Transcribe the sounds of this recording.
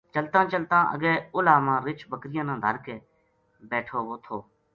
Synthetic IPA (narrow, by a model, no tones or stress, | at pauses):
t͡ʃəlt̪ãːt͡ʃəlt̪ãːʔə̰ɡɛːʊlaːmãːɾɪt͡ʃbəkɾɪjãːnãːd̪ʱəɾkeː | bɛːʈʰoːʋoːt̪ʰoː